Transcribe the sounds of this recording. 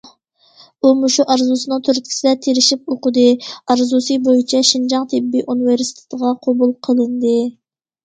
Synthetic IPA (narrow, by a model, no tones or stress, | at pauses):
umuʃuʔɑɾzusɨnɨŋt̪ʰøɾt̪̚ʲkʲʰi̥sɪd̪ɛt̪ʰeɾɪʃip̚oqəd̪ɨɑɾzusɨbojit͡ʃʰɛʃind͡ʒɑŋt̪ʰɪbːiʔunɨveɾsi̥t̪ʰe̥t̪əʁɑqʰɑbulˠqʰəlˠɨnd̪ɨ